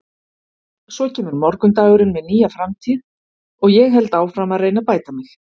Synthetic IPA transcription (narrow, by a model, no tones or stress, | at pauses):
sɔcʰɛːmʏɾmɔɾkʏmt̪aːjɣʏɾɪnmɛðniːjafɾamt̪ʰiːð | ɔɣjɛɣɦɛlt̪aːwfɾamaðreːjnapaːjt̪amɪx